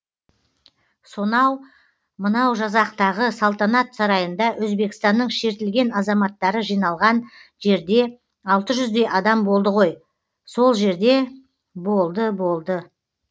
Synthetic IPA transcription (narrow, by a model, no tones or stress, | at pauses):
so̞nɑw | mənɑwʒɑzɑqt̪ɑʁəsɑlˠt̪ɑnɑt̪sɑɾɑjənd̪ɑwɵzbe̞kɪ̥st̪ɑnːəɴʃe̞ɾt̪ɪlɡʲe̞nɑzɑmɑt̪ːɑɾəʒijnɑlˠʁɑnʒe̞ɾd̪e̞ | ɑlˠt̪əʒʏzd̪e̞jʔɑd̪ɑmbo̞lˠd̪əʁo̞j | so̞lˠʒe̞ɾd̪e̞ | bo̞lˠd̪əbo̞lˠd̪ə